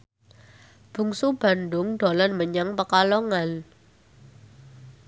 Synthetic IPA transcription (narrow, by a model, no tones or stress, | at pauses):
b̥ṳŋsub̥a̤ndʊŋɖ̥olanməɲaŋpəkalɔŋan